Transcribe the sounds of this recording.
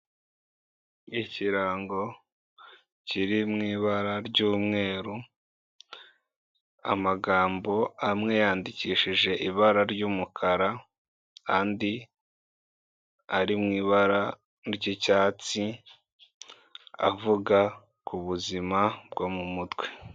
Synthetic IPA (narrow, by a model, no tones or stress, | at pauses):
iciɾaːŋɡo̞ | ciɾimŋiːβaɾaɾɟuːmŋe̞ːɾu | a̰maɡaːmbo̞amŋejaːndiciːʃiʒe̞ʔiβaɾaɾɟuːmukʰaɾa | kaːndi | aɾimŋiːβaɾa | ɾɟicaːt͡si | a̰vuɡa | kuβuzimab̚ɡomumutwe̥